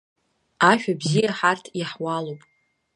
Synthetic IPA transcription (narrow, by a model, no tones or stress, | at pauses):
aʃᶣabzijaħartʰjaħwalowpʼ